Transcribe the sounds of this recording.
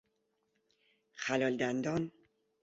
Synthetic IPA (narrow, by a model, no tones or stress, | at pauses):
xælɒld̪ænd̪ɒn